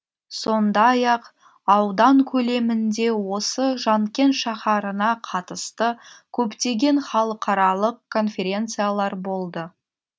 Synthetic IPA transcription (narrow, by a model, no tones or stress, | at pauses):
so̞nd̪ɑjɑq | ɑwd̪ɑŋkʲʰɵle̞mɪnd̪e̞wo̞səʒɑŋkʲe̞nʃɑχɑɾənɑqʰɑt̪əst̪əkʲʰɵpt̪e̞ɡʲe̞nχɑlˠəqʰɑɾɑlˠəq̚kʰːo̞nfʲe̞ɾʲe̞nt̪sɨjalˠɑɾbo̞lˠd̪ə